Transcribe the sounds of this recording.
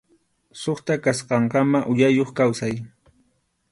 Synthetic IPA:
soχt̪akasqɑɴkɑmaʔʊjajoχkawsaj

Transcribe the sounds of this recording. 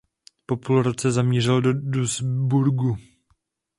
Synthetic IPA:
po̞pulɾot͡sɛzamɲir̝ɛldoduzbuɾɡu

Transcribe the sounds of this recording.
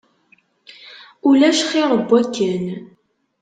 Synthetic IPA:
ulæʃχɪʁˤəbːækːən

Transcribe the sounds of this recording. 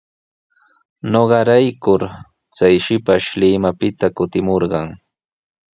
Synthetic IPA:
noɢɑɾajkʊɾ | t͡sajʃɪpaʃlɪmapɪt̪akʊt̪ɪmoɾɢɑŋ

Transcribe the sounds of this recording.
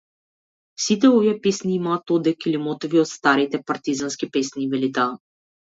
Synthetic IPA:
sit̪ɛoviɛpesniːmat̪od̪ɛkilimɔt̪ɔviɔt̪st̪aɾit̪ɛpaɾt̪izanskipesnivɛlit̪a

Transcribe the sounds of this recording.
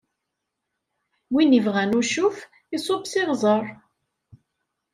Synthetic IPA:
winivʁænʊɾʃuf | isˤobsɪʁzˤəɾˤ

